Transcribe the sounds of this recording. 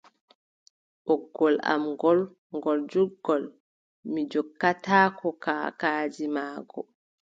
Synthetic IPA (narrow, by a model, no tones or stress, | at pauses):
ʔɔɡːɔla̰mɡɔl | ŋɡɔld͡ʒuɡːɔl | mid͡ʒɔkːataːkɔkaːkaːd͡ʒimaːɡɔ̰